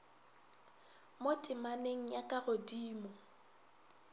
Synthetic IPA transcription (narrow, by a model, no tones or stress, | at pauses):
motʼɪmaneŋ̩jakʼaɣodiːmɔ